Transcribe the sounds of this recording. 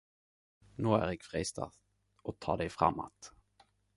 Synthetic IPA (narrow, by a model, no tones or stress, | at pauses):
noːæɾɛkfɾiːst̪ʰa̰ | ɔt̪ʰːɑːɖɛjfɾa̰mːo̰t̪